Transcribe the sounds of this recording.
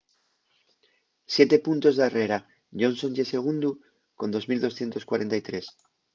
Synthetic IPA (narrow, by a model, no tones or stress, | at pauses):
sjet̪e̞punt̪ozðareɾa | ʎo̞nsõ̞nʝese̞ɣ̞und̪u | ko̞nd̪o̞zmild̪o̞sθje̞nt̪o̞skwaɾent̪ajt̪ɾe̞s